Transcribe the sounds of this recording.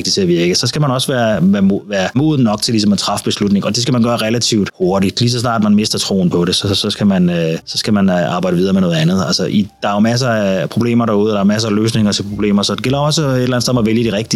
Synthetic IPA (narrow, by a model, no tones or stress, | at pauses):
ɡ̥̚d̥it͡sʰe̝æʋiɐɡ̥əsɒ̽sɡ̥æmænɒ̽səʋæːɐʋæɐʋæːɐmoːð̩ˠnɒ̽ɡ̥̚t͡sʰe̝lis̬ɒ̽mæt͡sʰʁɑ̈fb̥e̝slud̥ne̝ŋɒ̽d̥e̝sɡ̥æmænɡ̥ɶːɐʁɛlæt͡sʰiʊd̥ho̝ɐɾid̥lis̬ɒ̽snɑ̰̈ːd̥mænme̝sd̥ɐt͡sʰʁo̝̰ːn̩pʰɒ̽ɾe̝sɒsɒ̽sɡ̥æmænsɒ̽sɡ̥æmænɑ̈ːbɑ̈ɪɾ̥əið̞ˠɐmeno̽ð̩ˠænð̞̩ˠælsəʔid̥ɑ̈æjomæs̬ɐæpʰʁo̝b̥le̝̰ːmɐɾɑ̈uð̩ˠəd̥ɑ̈ɐmæs̬ɐːløːs̬ne̝ŋɐt͡sʰe̝lpʰʁo̝b̥le̝̰ːmɐsɒ̽d̥e̝ɡ̥el̰ɐɒ̽səedelæn̩seð̩ˠɒʋeljəd̥iʁɛɡ̥̚d̥i